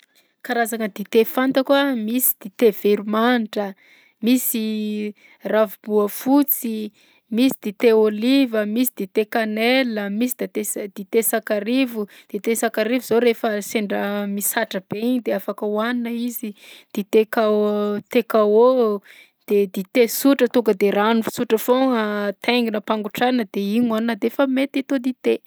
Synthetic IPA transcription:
kaɾazaŋəd̪it̪efant̪akwamisi̥d̪̥it̪ev̥eɾumanʈ͡ʂə | misi | ravubuəfut͡si | misid̪̥it̪eolivəmisid̪̥it̪ekaneləmisid̪̥et̪ed̪̥it̪esakaɾivud̪̥et̪esakaɾivuzoɾefəseɳɖ͡ʐəmisaʈ͡ʂəb̥eiɲid̪eafakəwaninəizid̪̥it̪ekat̪ekao | d̪̥ed̪it̪esuʈ͡ʂət̪uŋɡəd̪eranufi̥suʈ͡ʂəfoŋət̪eŋɡinəpaŋɡuʈ͡ʂanəd̪eiɲannəd̪efəmet̪at̪od̪it̪e

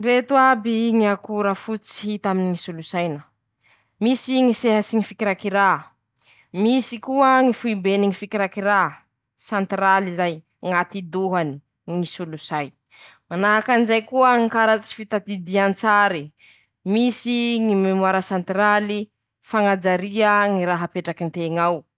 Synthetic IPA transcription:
ret̪uabiŋiakuɾəfut͡si̥ɦit̪aminiŋisulusajnə | misiŋiseɦasiŋifikiɾakiɾa | misikuəŋifuibeniŋifikiɾakiɾa | sant̪ɾalizaj | ŋat̪id̪uɦani | ŋisulusaj | manaɦakanizajkuəŋikaɾat͡si̥fit̪at̪id̪iant͡saɾi | misiŋimemwaɾəsant̪rali | faŋad͡zaɾiəŋiɾaɦapeʈ͡ʂakint̪eŋaw

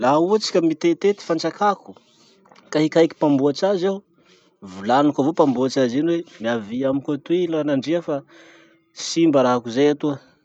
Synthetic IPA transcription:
lauət͡si̥kʲəmit̪et̪et̪i̥fant͡ʃakaku̥ | kaɦikajki̥pambuat͡ʃazaw | vulanukavopambuat͡ʃazinwemiaviamikʲot̪uilanaɳɖ͡ʐeafa | simbəɾaɦakuzejat̪uə

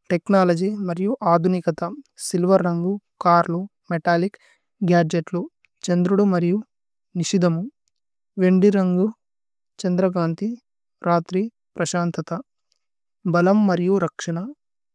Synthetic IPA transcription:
ʈeknaːlɐd͡ʒimɐɾijuʔaːd̪ʱunikɐt̪ɐsilʋɐɾːɐŋɡukaːɾlu | meʈaːlik | ɡaːd͡ʒeʈlu | t͡ʃɐnd̪ɾuɽumɐɾiju | niʂid̪ʱɐmu | ʋe̞ɳɖiɾɐŋɡu | t͡ʃɐnd̪ɾɐɡaːnt̪i | ɾaːt̪ɾi | pɾɐʃaːnt̪ɐt̪ɐ | bɐlɐmːɐɾijuɾɐkʂɐɳɐ

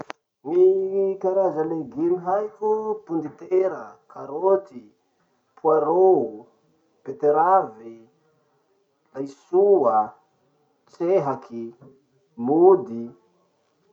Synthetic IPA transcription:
nikaɾazaleɡimiɦajkʲupund̪it̪eɾəkʰaɾot̪i | pʰuaɾou | pet̪eɾavi | lajsua | t͡seɦakʰi | mud̪i

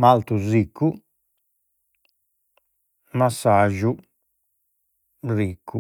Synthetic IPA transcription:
malt̪uzikːu | masːaʒu | ɾikʰːu

